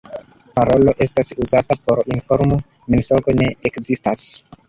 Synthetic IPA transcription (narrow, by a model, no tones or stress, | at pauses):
paɾo̞lo̞ʔe̞stasuzatapo̞ɾinfo̞ɾmu | minsoɡo̞ne̞ekzistas